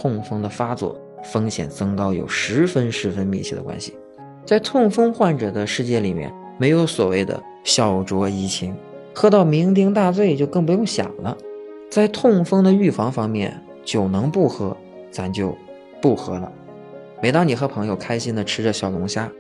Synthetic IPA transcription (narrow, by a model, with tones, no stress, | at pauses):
t̪ʰʊ˥˩ŋfɤ˥ŋd̪ə˨fa˥t͡swɔ̰˥˩ | fɤ˥ŋɕjɛ̰˨˩nt͡sɤ˥ŋkɑ˥ʊjo̰˨˩ʊʂɻ̩˧˥fə˥nʂɻ̩˧˥fə˥nmi˥˧˩t͡ɕʰjɛ˥˩d̪ə̰˩kwa̰˥nɕḭ˨˩ | t͡sa˥˧ɪt̪ʰʊ˥˩ŋfɤ˥ŋxwa˥˩nʈ͡ʂɤ˨˩d̪ə˦ʂɻ̩˥˧t͡ɕjɛ˥˩li˨˩mjɛ̰˥˩n | me˧˥ɪjo˧˥ʊswɔ̰˨˩we˥˩ɪd̪ə̰˩ | ɕjɑ˨˩ʊʈ͡ʂwɔ˧˥i˧˥˩t͡ɕʰi˧˥ŋ | xɤ˥t̪ɑ˥˩ʊmi˧˥ŋt̪̬i˥ŋt̪̬a˥˧t͡swe˥˧ɪt͡ɕjo˥˧ʊkɤ˥˩ŋp̬u˧˥jʊ˥˩ŋɕjɑ̰˨˩ŋlə̰˦t͡sa˥˧ɪt̪ʰʊ˥˩ŋfɤ˥ŋd̪ə˨y˥˩fɑ˧˥ŋfɑ˥ŋmjɛ̰˥˧˩n | t͡ɕjo˥˩ʊnɤ˧˥ŋpu˥˩xɤ˧˥ | t͡sa˧˥nt͡ɕjo˥˧ʊ | pu˥˩xɤ˧˥lə̰˧ | me˧˥ɪt̪ɑ˥ŋni˨˩xɤ˧˥pʰɤ˧˥ŋjo˧ʊkʰa˥ɪɕi˥nd̪ə˨ʈ͡ʂʰɻ̩˥ʈ͡ʂə˧ɕjɑ˨˩ʊlʊ˧˥ŋɕja˥